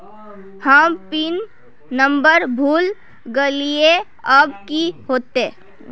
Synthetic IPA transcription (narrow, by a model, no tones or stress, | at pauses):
həmpinː | əmbəɾbʱuːl | ɡəlie | əbkiɦoːt̪e